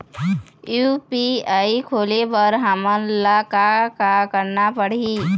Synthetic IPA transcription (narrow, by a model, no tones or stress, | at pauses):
jupiaikʰolepəɾɦəmənlakakakəɾnapəɽ̤i